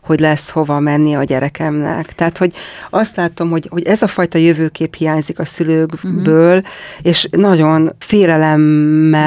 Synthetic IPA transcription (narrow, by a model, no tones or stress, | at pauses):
ho̞ɟlɛsho̞vɒmɛnːiɒɟɛɾɛkɛmnɛ̰kt̪ɛaːt̪ho̞ɟɒst̪laːt̪o̞mho̞ɟho̞ɟɛzɒfɒjt̪ɒjøvøːkeːphijaːɲzikɒsyløːɡbøːleːʃnɒɟo̞nfeːlɛlɛmːɛ